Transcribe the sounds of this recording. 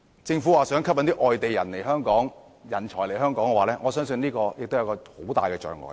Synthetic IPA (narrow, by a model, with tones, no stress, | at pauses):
t͡sɪ˧ŋfu˨˥waː˨sœː˨˥ŋkʰɐ˥p̚fɐ˨˥nt̪iː˥ʔɔː˨jt̪e˨jɐ̰˨˩nle˨˩jɦœː˥ŋkɔː˨˥ŋ | jɐ˨˩nt͡ʃʰɔː˨˩jle˨˩jɦœː˥ŋkɔː˨˥ŋkɛ˧waː˨lɛː˥ŋɔː˨˧sœː˥ŋs̬ɵ˧niː˥kɔː˧jɪ˨kt̪o˥wjɐ˧kɔː˧ho˨˥wt̪aː˨jkɛː˧t͡ʃœ̰ː˨˩ŋɔ̰ː˨˩j